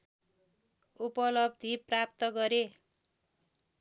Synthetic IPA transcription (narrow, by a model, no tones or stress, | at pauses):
upʌlʌb̚d̪ʱiprap̚t̪ʌɡʌɾe